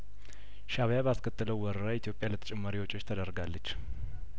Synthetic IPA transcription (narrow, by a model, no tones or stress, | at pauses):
ʃaβjabəaskʰət̪ʼːɨləwwɔɾəɾait̪ʰjo̞pʼjalət̪ʰə̥t͡ʃʼɛmːaɾiwot͡ʃʼːo̞t͡ʃːt̪ʰəd̪əɾɡalːət͡ʃː